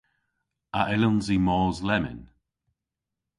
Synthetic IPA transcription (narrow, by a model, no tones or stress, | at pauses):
aʔɪlʊnzimɔːzlɛmɪ̰n